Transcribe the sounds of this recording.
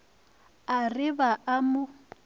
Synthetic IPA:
arɪβaʔamʊ

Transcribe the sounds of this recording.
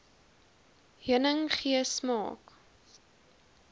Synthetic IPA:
ɦiənəŋχiəsmɑ̰ːk

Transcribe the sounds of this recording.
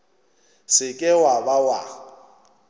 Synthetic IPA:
sɪkʼɪwabawa

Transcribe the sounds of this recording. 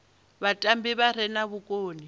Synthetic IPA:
βatʼambiβaɾ̤ɛnaβukʼoːni

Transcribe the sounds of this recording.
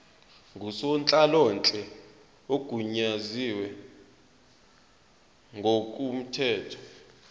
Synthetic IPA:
ŋʱusɔnt͡ɬʼalɔnt͡ɬʼɛ | oɡ̥ʱuɲaziwɛ | ŋʱok̬ʼum̩tʰɛːtʰɔ̥

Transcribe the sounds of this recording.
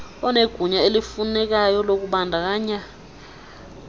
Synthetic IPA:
ɔneɡ̥ʱuɲaelifunɛk̬ajɔlok̬uɓandʱak̬aːɲa

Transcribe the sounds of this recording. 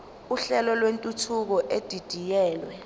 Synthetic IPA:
uɬɛlɔlwentʼutʰuk̬ɔʔed̥ʱid̥ʱijɛːlwɛ

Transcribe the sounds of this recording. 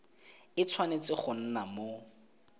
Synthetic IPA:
ɪt͡sʰwanet͡sɪχʊn̩namo

